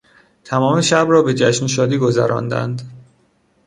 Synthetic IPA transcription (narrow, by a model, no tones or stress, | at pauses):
t̪ʰæmɒːmeʃæbrɒːbe̞d͡ʒæʃnʃ̬ɒːd̪iːɡo̞zæ̰ɾɒ̰ːnd̪æ̰nd̪